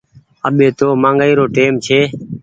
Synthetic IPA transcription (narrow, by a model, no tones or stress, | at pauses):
əɓeːt̪oːmãːŋɡaiːɾoːʈeːmt͡ʃʰeː